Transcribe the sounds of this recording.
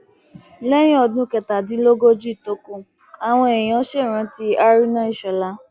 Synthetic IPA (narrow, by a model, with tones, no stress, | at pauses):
lɛ˦j̃ĩ˦ɔ˧˨dũ˨˦kɛ˧ta˨dĩ˨˦lo˦ɡo˦d͡ʒi˦˨to˨˦kũ˦˨a˨w̃ɔ̃˧ɛ˨j̃ã˨˦ʃe˦˨ɾ̃ã˨˦ti˦a˦ɾi˦nã˦i˦˨ʃɛ˨la˧˦